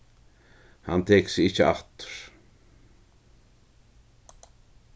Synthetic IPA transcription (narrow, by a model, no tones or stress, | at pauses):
ha̰nt̪ʰɛːksɪɪhcɪa̰t̪ʏ̥ɾ̥